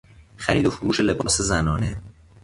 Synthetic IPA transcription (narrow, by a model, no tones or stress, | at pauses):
xæɾiːd̪o̞foɾuːʃe̞le̞bɒːsezænɒːne